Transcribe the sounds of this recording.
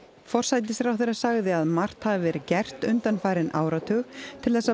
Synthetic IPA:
fɔr̥sajt̪̬ɪsɾawθɛjɾasaɣðɪaðmar̥t̪havɪvɛːɾɪcɛr̥t̪ʏnt̪anfaːjɾɪnʔa̰ːwɾat̪ʰœːɣt̪ʰɪlθɛsa

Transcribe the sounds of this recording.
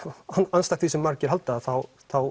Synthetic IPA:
ananst̪at̪θisɪmːaɾcɪɾɦalt̪aːðθaw | θaw

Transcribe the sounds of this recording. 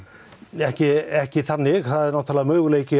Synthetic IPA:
ɛhcɪɛhcɪθanːɪɣθaðɛɾnaːwt̪ʰaːlamœːɣʏleːjcɪ

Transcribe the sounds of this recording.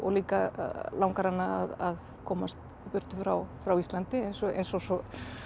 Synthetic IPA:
ɔ̰ɣliːkalawŋkaɾanːaa̰ðað | kʰɔːmast̪ | pʏr̥t̪ʏfɾawfɾawist̪lant̪ɪejnsɔḛjnsɔsɔ

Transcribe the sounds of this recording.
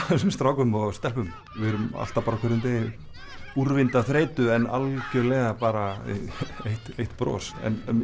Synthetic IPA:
θɛsɪmst̪ɾawkʏmɔɣst̪ɛlpʏm | vɪðɾʏma̰l̥t̪apaːɾakʰœɾðʏmt̪e | uɾvɪnt̪aθɾeːjt̪ʏɛna̰lcʏlɛːɣapaːɾa | ejht̪ejht̪pɾɔ̰ːsɛ̰n

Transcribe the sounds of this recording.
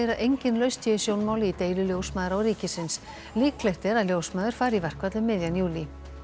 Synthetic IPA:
jɾaʔejɲcɪnlœɥst̪ʰɛðɪsjownmaːwlɪit̪eːjlʏljowsmaːðɾawrɾiːcɪsɪns | liːklɛht̪ɛɾaðljowsmaːðʏɾ̥faːɾivɛr̥kvat̪lʏmːɪðjanjuːli

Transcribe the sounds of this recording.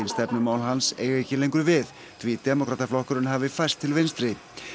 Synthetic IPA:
ɪnst̪ɛpnʏmaːwlɦansḛːjɣɛcɪlejŋkʏɾvɪð | t̪ʰvit̪ɛmɔkʰɾaːt̪aflɔhkʏɾɪnɦaːvɪfajst̪ʰːɪlvɪnst̪ɾɪ

